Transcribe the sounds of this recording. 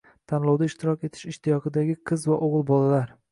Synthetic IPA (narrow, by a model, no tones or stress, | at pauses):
t̪ʰanlˠɒwd̪aɪʃt̪ʰɪɾɒkʲe̞t̪ʰɪ̥ʃɪʃt̪ʰɪjɒqʰɨd̪aɡʲɪqʰɨzvaʔoʁɨlˠbɒlalaɾ